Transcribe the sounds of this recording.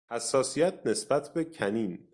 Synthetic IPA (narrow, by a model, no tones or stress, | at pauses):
hæsːɒːsijæt̪̚ʰne̞sbæt̪ʰbecʰæniːn